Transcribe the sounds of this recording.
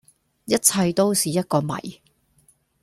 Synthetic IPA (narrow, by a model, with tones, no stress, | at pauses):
jɐ˥t̚t͡sʰɐ˧jt̪o˥wsiː˨˩jɐ˥t̚kɔː˧mɐ̰˨˩j